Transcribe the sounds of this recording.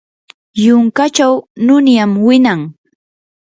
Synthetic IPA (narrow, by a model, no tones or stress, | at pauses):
jʊŋkat͡ʃawnʊnjamwɪnaŋ